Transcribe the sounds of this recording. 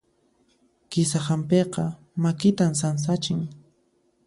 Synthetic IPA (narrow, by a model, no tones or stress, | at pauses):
kɪsahampeqɑ | makɪt̪ams̬ans̬at͡ʃɪŋ